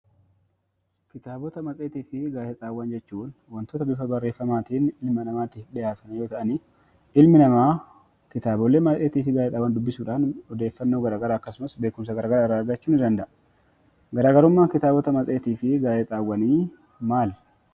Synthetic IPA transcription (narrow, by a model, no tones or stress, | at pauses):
kɪt̪aːbɔt̪ɐmɐt͡sʼe̞ːt̪iːfɪɡaːjɛt̪ʼaːwːɐnd͡ʒɛt͡ʃːuːnwɐnt̪oːt̪ɐbɪfɐbɐrːe̞ːfːɐmaːt̪iːnɪlmɐnɐmaːt̪iːfᶑɪjaːsɐnjo̞ːt̪ɐʔɐniː | ɪlmɪnɐmaː | kɪt̪aːbɔlːeːmɐt͡sʼe̞ːt̪iːfɪɡaːjɛt̪ʼaːwːɐnd̪ʊbːɪsuːᶑaːnɔd̪e̞ːfːɐnːo̞ːɡɐɾaːɡɐɾaːɐkːɐsʊmɐsbe̞ːkʊmsɐɡɐɾaːɡɐɾaːɪrːaːɾɡɐt͡ʃːuːnɪd̪ɐnd̪ɐʔ | ɡɐɾaːɡɐɾʊmːaːkɪt̪aːbɔt̪ɐmɐt͡sʼe̞ːt̪iːfɪɡaːjɛt̪ʼaːwːɐniː | maːl